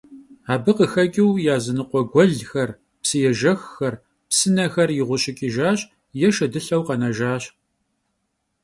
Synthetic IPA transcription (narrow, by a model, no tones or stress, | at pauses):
aːbɨqəxɐkʲʼɪwjaːzɨnɨqʷɔɡʷɔɮxɐr | psɨjɛʒɐxxɐr | psɨnɐxɐrjɪʁʷʊɕʼɪkʲʼiʒaːɕʼ | jɛʃɐdɨɬɐwqɐnɐʒaːɕ